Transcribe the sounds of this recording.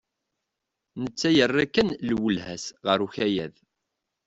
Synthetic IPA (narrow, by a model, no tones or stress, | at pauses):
nət͡sːæjərˤːækːənlwəlhæsʁəɾuçæjæð